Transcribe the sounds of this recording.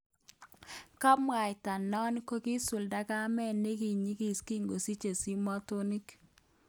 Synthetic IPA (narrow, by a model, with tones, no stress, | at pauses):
kɔ˦m˦a˨jta˨nɔ˦n˦ko˦ki˦sʊ˨lda˦ka˦mɛ˦˨nːe˦ki˨ɲi˦ki˦˨ski˦ŋɡo˨si˦t͡ʃe˨si˦mɔ˦to˦ni˦k